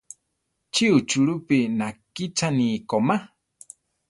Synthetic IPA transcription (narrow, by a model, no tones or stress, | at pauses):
t͡ʃʰiut͡ʃʰuɺupinakit͡ʃʰaniːkoma